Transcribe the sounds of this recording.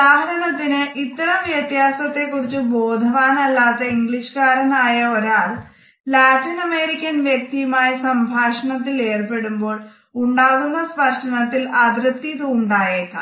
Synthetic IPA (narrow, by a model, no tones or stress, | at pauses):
d̪aːɦɐɾɐɳɐt̪ːinɨʔit̪ːɐrɐmʋjɐt̪jaːsɐt̪ːe̞kːurit͡ɕːubo̞ːd̪ʱɐʋaːnɐlːaːt̪ːɐiŋɡɭiʂɨ̥kaːɾɐnaːjɐo̞ɾaːɭ | laːʈinɐmeːɾikʲːɐnʋjɐk̚t̪ijɐmaːjɐsɐmbʱaːʂɐɳɐt̪̬ːile̞ːrpe̞ɽumbo̞ːɭ | uɳɖaːɣunːɐsʋɐrʂɐɳɐt̪ːilɐd̪rɨt̪ːit̪uuɳɖaːjeːkːɐ̰